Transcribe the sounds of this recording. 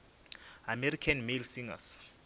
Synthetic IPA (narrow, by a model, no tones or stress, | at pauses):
amɛrikʰanmelsiŋa̰s